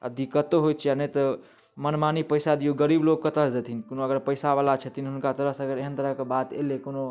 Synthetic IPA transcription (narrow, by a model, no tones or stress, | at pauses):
ə̰d̪ikːət̪oɦojt̪t͡ʃʰijanət̪ə | mənmanipəjsad̪ijuɡəɾibloɡ̚kət̪əsd̪et̪ʰinkonoəɡəɾpəɪsabalat͡ʃʰət̪inɦunkat̪əɾəɦsəɡəɾeɦənt̪əɾəɦkebat̪ḛlekono